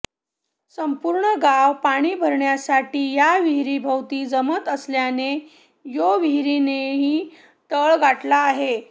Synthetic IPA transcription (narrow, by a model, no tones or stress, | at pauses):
səmpuɾɳəɡawpaɽ̃iːbʱəɾɳjasaʈiːjaʋiɦɾibʱəwt̪iːd͡zəmət̪əsljane | joʋiɦɾineɦiː | t̪əɭɡaʈlaːɦe